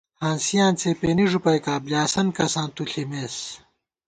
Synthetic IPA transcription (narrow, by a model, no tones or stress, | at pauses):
hãːnsijãːnt͡sʰepeːniʐupɐjkaːblʲaːsɐnkɐsãːnt̪uɬʰimeːs